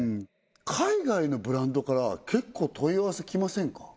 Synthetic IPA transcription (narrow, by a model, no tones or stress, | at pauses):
kʰaiɡaino̞bɯ̟ɾãnd̪o̞kaɾakʰe̞kːo̞ːt̪ʰo̞iaβasekʲimasẽ̞ŋkḁ